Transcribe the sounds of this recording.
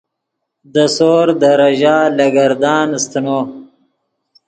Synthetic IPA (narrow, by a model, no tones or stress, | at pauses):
d̪əsoːɾd̪əɾaʒaːlaɡaɾd̪ɑːnst̪əno